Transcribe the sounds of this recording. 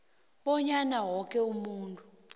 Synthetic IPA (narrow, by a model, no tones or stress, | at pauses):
ɓɔɲanawɔk̬ʼɛumuːntʼu